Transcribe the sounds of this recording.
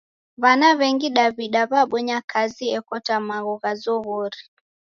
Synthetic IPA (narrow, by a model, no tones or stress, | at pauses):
βanaβɛŋɡiɗaβiɗaβaɓɔɲakʰaziɛkɔtamaɣɔɣazɔɣɔɾi